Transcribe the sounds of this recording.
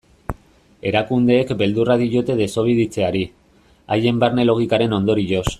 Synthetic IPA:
e̞ɾakund̪e̞ːkbe̞ld̪uraðiɾot̪e̞ð̞e̞so̞β̞iðit͡se̞aɾi | aje̞mbaɾne̞lo̞ɣ̞ikaɾe̞no̞nd̪o̞ɾiʝo̞s

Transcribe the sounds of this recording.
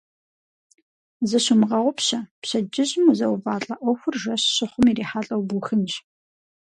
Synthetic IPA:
zɨɕʊmʁɐʁʷʊpɕɐpɕɐd͡ʒʼɪʑʼmuzɐwvaːɬʼɐʔʷɔxʷʊrʒɐɕɕɪχʷʊmiɾiːħaːɬʼɐwbuxɨnɕ

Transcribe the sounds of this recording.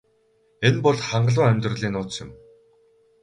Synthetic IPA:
enpɔɮχaɴɢəɮʊːæmʲt̪rə̆ɮiːnʊːt͡sjɪ̆m

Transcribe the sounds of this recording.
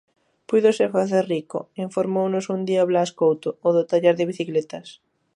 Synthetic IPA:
pujðosefaθerriko̰iɱfoɾmownʊsund̪iaβlaskowt̪ooðot̪aʎaɾðɪβiθiklet̪as

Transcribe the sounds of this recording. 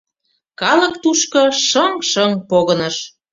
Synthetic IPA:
kɑlə̆kt̪uʃkɤ̆ʃəŋʃəŋpoɣɤnɤ̆ʃ

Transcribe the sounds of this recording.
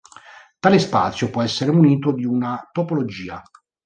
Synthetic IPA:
t̪aːlespa̰ːt̪sːjopwɔɛsːeɾeuniːt̪od̪iunat̪opolod͡ʒiːa

